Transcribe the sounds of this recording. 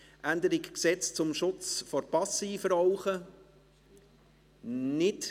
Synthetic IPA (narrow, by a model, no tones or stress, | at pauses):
ʔænd̪əɾikksɛt͡st͡sʊmʃʊt͡sfɔɾpɑsiːfəɾɔʊχə | nɪt